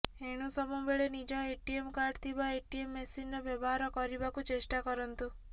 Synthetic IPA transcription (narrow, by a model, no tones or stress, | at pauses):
eɽ̃usɔmubeɭenid͡ʒɔeʈiemkaɖt̪ʰibaeʈiemːesinɾɔbjɔbɔɦaɾɔkɔɾibakut͡ʃesʈakɔɾɔnt̪u